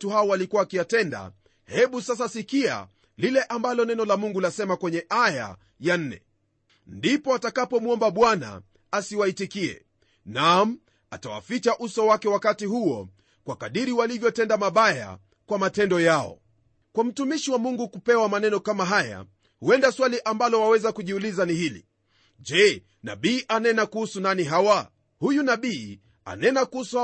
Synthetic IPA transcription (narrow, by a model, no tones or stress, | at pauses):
tuhaɔwalikuwaːkijatɛnda̰ | hɛɓusas̬asikia̰ | lilɛʔambalɔnɛnɔlamuŋɡulasɛmakwɛɲɛʔaja̰ | jan̩nːɛ̰ | ndipɔatakapɔmuɔmbaɓwana̰ | asiwaitikiɛ̰ | nam̩ | atawa̰fit͡ʃaʔusɔwakɛwakatihuɔ | kwakaɗiɾiwalivjɔtɛndamaɓaja̰ | kwamatɛndɔjaɔ̰ | kwam̩tumiʃiwamuŋɡukupɛwamanɛnɔkamaɦaja̰ | huɛndaswaliʔambalɔwawɛzakuʄiulizanihilḭ | ʄɛ | na̰ɓiːʔanɛnakuhusunaniɦawa | hujunaɓiː | a̰nɛnakuhusu